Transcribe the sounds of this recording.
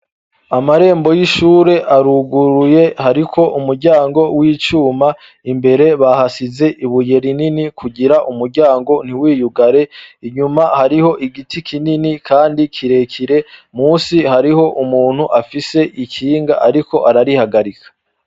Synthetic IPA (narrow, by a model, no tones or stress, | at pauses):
amaɾe̞ːmbo̞jiʃuːɾe̞ʔaɾuɡuɾuje̞haɾikʰo̞ʔumuɾɟaːŋɡo̞wiːt͡ʃuːma | imbe̞ɾe̞βahasize̞ʔiβuje̞ɾininikʰuɟiɾaʔumuɾɟaːŋɡo̞n̥iwiːjuɡaɾe̞iɲumahaɾiho̞ʔiɡitʰikʰininikʰaːndikʰiɾe̞kʰiɾe̞muːsihaɾiɦo̞ʔumuːn̥huʔafise̞ʔikiːŋɡaʔaɾiko̞ʔaɾaɾihaɡaɾikʰḁ